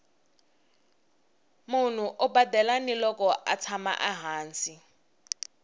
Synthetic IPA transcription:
mun̤uʔubadɛlanilɔkɔʔat͡sʰama̰ʔaɦaːnsi

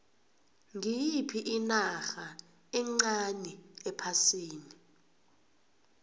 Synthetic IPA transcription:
ŋiipʰiʔinaxa | ɛŋ͡ǀaniɛpʰasiːni

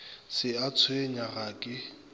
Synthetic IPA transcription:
sɪat͡sʰweɲaɣakʼɪ

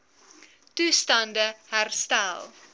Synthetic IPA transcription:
tustɐndəhærstælˠ

